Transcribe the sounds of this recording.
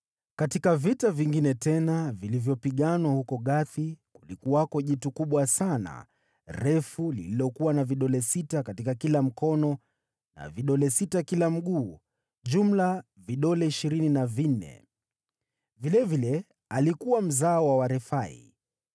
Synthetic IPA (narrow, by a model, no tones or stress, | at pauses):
katikavitaviŋɡinɛtɛnavilivjɔpiɠanwahukɔɠaθikulikuwakɔʄitukuɓwasana̰ | ɾɛfulḭlilɔkuwanaviɗɔlɛsitakatikakilam̩kɔnɔ | na̰viɗɔlɛsitakilam̩ɠuː | ʄum̩la | viɗɔlɛiʃiɾininavin̩nɛ̰ | vilɛvilɛ | alikuwam̩zaɔwawaɾɛfaḭ